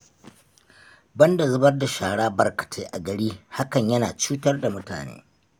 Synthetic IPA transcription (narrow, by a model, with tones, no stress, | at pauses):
bɐ˦nda˨zʊ˦bɐ˦rda˨ʃaː˨ɽaː˦bɐ˨rkɐ̥˨tʰeː˦ʔa˨ɡɐ˨ɽiː˦ha˦kɐ˨ɲjɐ˦naː˨t͡ʃuː˦tɐ˦rda˨mʊ˦ta̰ː˨nḛː˦